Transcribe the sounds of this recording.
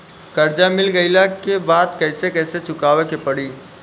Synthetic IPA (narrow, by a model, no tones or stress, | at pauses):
kəɾd͡ʒamɪlɡəɪlakebaːd̪kəɪsekəɪset͡ʃʰʊkaːʋekepɐɽiː